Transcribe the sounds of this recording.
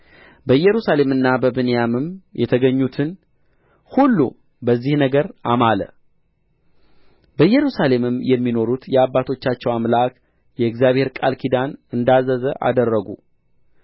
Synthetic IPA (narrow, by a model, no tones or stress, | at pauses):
bəɨjɛɾusale̞mɨnːabəbɨnejamɨmjɛt̪ʰəɡəɲːut̪ʰɨn | hulːṵ | bəzːihnəɡəɾʔamalə̰ | bəjɛɾusale̞mɨmjɛmːino̞ɾut̪jɛabːat̪ʰo̞t͡ʃːat͡ʃːɛwamlak | jɛɨɡzijaβhe̞ɾkʼalkʰid̪anɨnd̪azəzəʔa̰d̪ərːəɡṵ